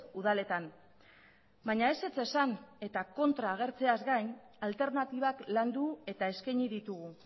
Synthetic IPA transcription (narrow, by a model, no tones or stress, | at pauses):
uðale̞t̪an | baɲae̞se̞t͡se̞sane̞t̪ako̞nt̪ɾaːɣ̞e̞ɾt͡se̞azɡajɲ | alt̪e̞ɾnat̪iβ̞akland̪ue̞t̪ae̞skaɲiðit̪uɣ̞u